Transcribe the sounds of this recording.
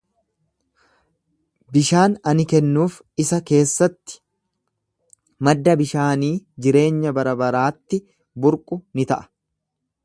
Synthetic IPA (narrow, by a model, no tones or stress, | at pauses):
bɪʃaːnɐnɪkɛnːuːf | ɪsɐke̞ːsːɐt̪ːɪ̥ | mɐd̪ːɐbɪʃaːniːd͡ʒɪɾe̞ːɲːɐbɐɾɐbɐɾaːt̪ːɪ | bʊɾkʼʊnɪt̪ɐʔɐ̥